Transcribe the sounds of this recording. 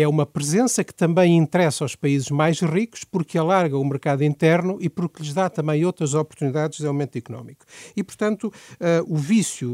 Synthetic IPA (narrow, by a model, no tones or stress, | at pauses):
ɛumɐpɾɨzẽsɐkɨ̥t̪ɐ̃mbɐ̃j̃ĩnt̪ɾɛsawʃpɐizɨʒmajʃʁiku̥ʃpuɾkɐlˠaɾɣɐumɨɾkaðuĩnt̪ɛɾnuʔipuɾkʎɨʒðat̪ɐ̃mbɐ̃j̃owt̪ɾɐzɔpuɾt̪uniðaðʒðawmẽnt̪ikunɔ̰miku̥ipuɾt̪ɐ̃nt̪uɛuvisju